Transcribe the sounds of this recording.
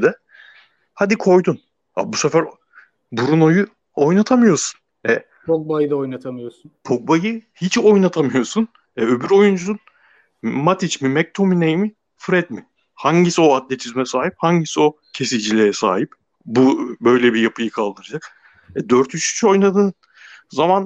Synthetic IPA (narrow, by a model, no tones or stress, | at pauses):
d̪ɛ | had̪ikʰo̞jd̪un | a̰busɛfæɾ | buɾuno̞ju | o̞jnat̪ʰamɯjo̞su̥n | ɛ | pʰok̚bajɯd̪aojnat̪ʰamɯjosunpʰo̞k̚bajɯhit͡ʃo̞jnat̪ʰamɯjo̞sun | ɛø̞byɾo̞jund͡ʒuun | mat̪ʰit͡ʃmimɛc̚t̪ʰo̞minejmi | fɾɛd̪mɪ | haɲɟisio̞at̪lʲɛt͡ʃ̪ʰizmɛsaːɦip̚haɲɟisio̞ | cʰe̞silʲd͡ʒilʲɛjɛsa̰ːɦip̚ | bubø̞jlʲɛbijapʰɯjɯkʰalˠd̪ɯɾɯd͡ʒak | ɛd̪øɾt̪ʰyʃt͡ʃi̥t͡ʃʰo̞jnad̪ɯːn | zaman